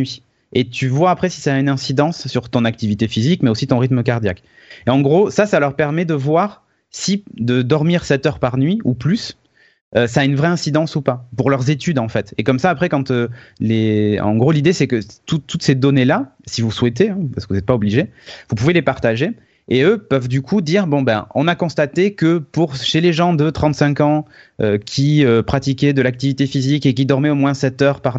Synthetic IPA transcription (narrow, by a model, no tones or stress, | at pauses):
ɥi | et̪ʰyvwaːpχɛsi̥saːynɛ̃sid̪ɑ̃sːyʁt̪ɔ̃nak̚t̪ivit̪efizikmɛosit̪ɔ̃ʁit̪mək̬aʁd̪jak | eɑ̃ɡʁosasalœʁpɛʁmɛd̪əvwaʁ | sid̪əd̪ɔʁmiʁsɛt̪œʁpaʁnɥiuplys | øsaːynvʁɛɛ̃sid̪ɑ̃supapuʁlœʁzet̪yd̪ɑ̃fɛt̪ekɔmsaːpχɛkɑ̃t̪əleɑ̰̃ɡʁolid̪esɛkət̪ut̪ʰːut̪sed̪ɔnelasivuswɛt̪̬eɛ̃pasə̥kəvuzɛt̪̚paɔbliʒevupuvelepaʁt̪aʒe | eøpœvd̪ykʰud̪iːʁbɔ̃ba̰ʔɔ̰̃nakɔ̃st̪at̪ekəpuʁʃeleʒɑ̃d̪ət̪χɑ̃t̪sɛ̃kɑ̃ | økʲʰiøpχat̪ikʲɛd̪əlak̚t̪ivit̪efizikek̬ʲid̪ɔʁmɛomwɛ̃sɛt̪œʁpaʁ